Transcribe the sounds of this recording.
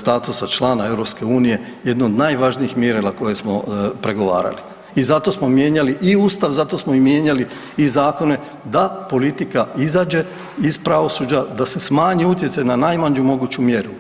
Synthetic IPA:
st̪aːt̪usat͡ʃlˠaːnae̞ʋɾo̞pske̞uːnije̞ | jed̪nood̪naːjʋaʒniixmje̞ɾanako̞je̞smo̞pɾe̞ɡo̞ʋa̰ːɾa̰li | izat̪o̞smo̞mje̞ːɲaliʔiuːst̪aʋzat̪o̞smoimjeɲali | izaːko̞ne̞ | d̪apo̞lit̪ikaizaːd͡ʑe̞ | izpɾaʋo̞suːd͡ʑad̪ase̞smaːɲiut̪jesajnanajmaɲumo̞ɡuːt͡ɕumje̞ɾu

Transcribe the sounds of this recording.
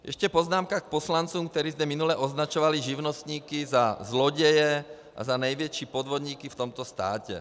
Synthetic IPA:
jʔɛ̰ʃcɛpɔznaːmkak̚pɔslant͡suːmk̚t̪ɛɾiːzmɛminulɛʔɔznat͡ʃɔʋaliʒiʊnɔst̪ɲiːkizazlɔɟɛjɛ | ʔa̰zanajʋɛt͡ʃipɔd̪ʋɔd̪ɲiːkift̪ɔmt̪ɔst̪a̰ːcɛ̰

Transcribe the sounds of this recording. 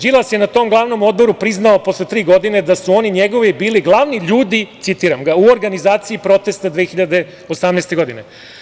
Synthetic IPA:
d͡ʒilˠasje̞nat̪o̞ːmɡlˠaʋno̞mo̞d̪bo̞ɾupɾiznaopo̞sle̞t̪ɾiːɡo̞d̪ine̞d̪asuo̞niɲe̞ɡo̞ʋibiːliɡlˠaʋniʎuːd̪it̪sit̪iːɾamɡauoɾɡanizaːt̪siipɾo̞t̪e̞st̪ad̪ʋeːxiʎad̪e̞ | osamnest̪e̞ɡo̞d̪ine

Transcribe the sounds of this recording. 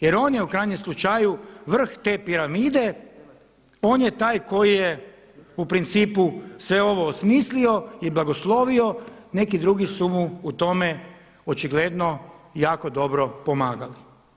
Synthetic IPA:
jeɾo̞ːnjeukɾajɲemslˠut͡ʃajuʋr̩xt̪e̞ːpiɾamiːd̪e̞ | oːnjet̪aːjko̞jije | upɾint̪siːpusʋe̞o̞ʋo̞ːsmiːslio̞jeblˠaɡo̞slˠo̞ʋio̞ne̞kid̪ɾuɡisumuːt̪o̞me | ot͡ʃiɡle̞d̪nojaːko̞d̪o̞bɾo̞po̞maːɡali

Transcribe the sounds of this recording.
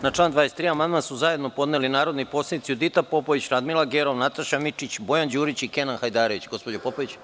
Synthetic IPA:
nat͡ʂlˠaːnd̪ʋaːjest̪ɾiːamand̪mansuzaje̞d̪no̞po̞d̪nelinaːɾo̞d̪nipo̞slʲenit̪siud̪it̪apo̞poʋit͡ɕɾad̪milˠaɡeɾo̞ʋnat̪aʃamit͡ʂit͡ɕbo̞jand͡ʑuːɾit͡ɕikenanxajd̪aːɾoʋit͡ɕɡo̞spo̞d͡ʑopopoʋit͡ɕ

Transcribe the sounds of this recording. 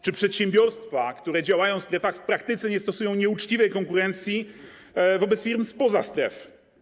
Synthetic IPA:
t͡ʂɘpʂɛt̪ɕɛ̃mbʲjɔɾst̪fakt̪uɾɛd͡ʑawajɔ̃w̃st̪ɾɛfaxfpɾakt̪ɘt̪sɛɲɛst̪ɔsujɔ̃w̃ɲɛut͡ʂt͡ɕivɛjkɔŋkuɾɛnt̪sʲji | vɔbɛt̪sfʲiɾmspɔzast̪ɾɛ̰f

